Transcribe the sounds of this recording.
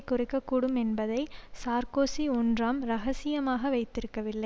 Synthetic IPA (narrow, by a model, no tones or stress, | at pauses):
kːʊrɪkːɐkːuːɽɯmɛnbɐðɐɪsaːɾkoːsiɔndraːmɾɐɣɐsɪjɐmaːɣɐʋɐɪt̪ːɪɾɯkːɐʋɪlːɐɪ